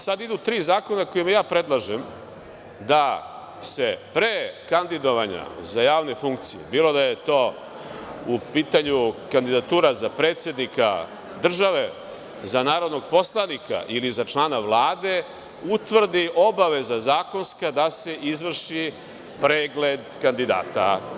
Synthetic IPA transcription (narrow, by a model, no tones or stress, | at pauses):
sad̪id̪ut̪ɾiːzaːko̞nako̞jimjaːpɾe̞d̪lˠaʒem | d̪a | se̞pɾeːkand̪id̪o̞ʋaɲa̰zajaːʋne̞fuŋkt̪sijḛbiːlo̞d̪ajet̪o̞ː | upiːt̪aɲukand̪id̪at̪uːɾazapɾe̞ːt̪sje̞d̪nika̰ | d̪r̩ʒaʋe̞ | zanaːɾo̞d̪no̞ɡ̚po̞slˠanika̰ʔilizat͡ʃlˠaːnaʋlˠaːd̪e̞ | ut̪ʋr̩d̪iʔo̞baʋe̞zazaːko̞nskad̪ase̞ʔizʋr̩ʃi | pɾeːɡle̞d̪kand̪id̪a̰ːt̪a